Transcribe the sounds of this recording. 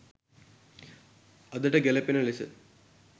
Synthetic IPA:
ɐðiʈːeɡelɐpːinɐɭisɨ̰

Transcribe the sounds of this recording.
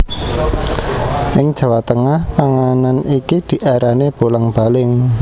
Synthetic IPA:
ʔɪŋd̥ʒ̥a̤wat̪əŋahpaŋananikid̪̥i̤ʔaɾaneb̥olaŋb̥a̤lɪŋ

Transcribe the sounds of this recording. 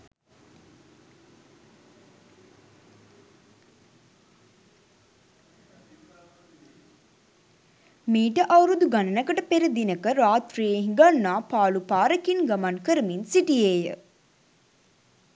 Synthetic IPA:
miːʈəʔawɾud̪uɡanənəkəʈəpeɾəd̪inəkəɾaːt̪ɾijeɦĩŋɡanːaːpaːlupaːɾəkinɡamankəɾəminsiʈijeːjə̰

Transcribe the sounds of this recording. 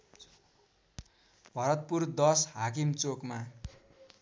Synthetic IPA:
bʱʌɾʌt̪̚purd̪ʌsɦakimt͡sokma

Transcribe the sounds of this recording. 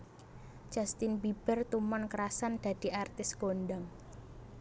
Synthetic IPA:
d͡ʒ̥a̤st̪ɪnbib̥ərt̪umɔnkəɾasand̪̥ä̤d̪̥i̤art̪ɪsɡ̥onɖaŋ

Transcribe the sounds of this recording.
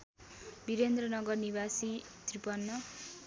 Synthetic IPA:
biɾend̪rʌnʌɡʌrniβasit̪ripʌnːʌ

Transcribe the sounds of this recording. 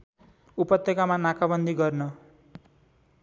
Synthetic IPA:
upʌt̪jʌkamanakabʌnd̪ʱiɡʌrnʌ

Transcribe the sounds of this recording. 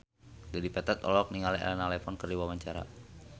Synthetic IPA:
d͡ʒadipat̪at̪ɔ̰lɔk̚niŋalɛɛ̰lɛnalɛfɔnkəriwawaɲt͡ʃaɾa̰

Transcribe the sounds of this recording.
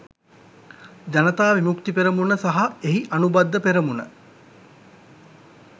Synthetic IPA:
d͡ʒanət̪aːʋimukt̪ipeɾəmunəsaɦaeɦiʔanubad̪ːəpeɾəmunə̰

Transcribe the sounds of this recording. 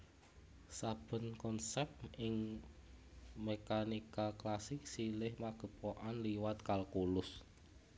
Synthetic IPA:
sab̥ə̤nkɔnsɛp̚ʔɪŋ | mekanikaklasɪk̚silɪhmaɡ̥ə̤poʔanliwat̪kalkulʊs

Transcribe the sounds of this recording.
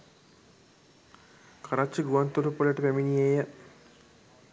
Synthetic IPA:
kʰaɾat͡ʃːiɡuʋant̪olupːoleʈəpeminijejə

